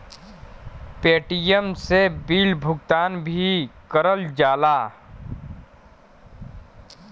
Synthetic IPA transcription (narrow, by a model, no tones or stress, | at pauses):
peːʈijəmsebiːlbʱʊɡt̪aːnbʱikəɾəld͡ʒaːlaː